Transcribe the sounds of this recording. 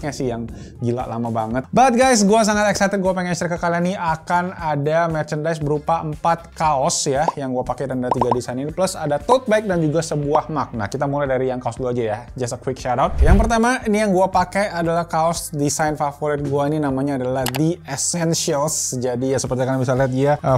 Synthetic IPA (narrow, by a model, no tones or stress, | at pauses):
ɲasɪjaŋ | ɡila̰ʔlamabaŋət̪bat̪̚ɡajs̬ɡuas̬aŋat̪ɛksajt̪ɛt̪̚ɡuapɛŋɛt̪ərkəkalaniakanadamɛrt͡ʃəndajsbəɾupaəmpat̪̚kaɔsjajaŋɡuapakɛɾandaat̪iɡadisajniniplusadat̪ot̪̚baɪk̚dand͡ʒuɡasəbuahmak̚na̰kit̪amulajdaɾijaŋkaɔsluad͡ʒajad͡ʒasəkwɪkʃadawt̪̚jaŋpərt̪amainijaŋɡuapakajadalahkaɔsdisajnfafoɾɪt̪̚ɡuaininamaɲaːdalahdiɛsɛnsialsd͡ʒadijasəpərt̪iakanabis̬aliɦat̪̚ɡiaə